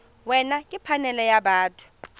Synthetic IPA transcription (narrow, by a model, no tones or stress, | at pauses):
wɛnakʼipʰanɛlɛjaɓaːtʰu̥